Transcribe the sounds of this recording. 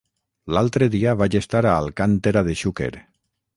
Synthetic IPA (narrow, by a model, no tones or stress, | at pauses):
lalˠt̪ɾeðiaβaʒest̪aɾaːlkant̪eɾaðeʃukḛɾ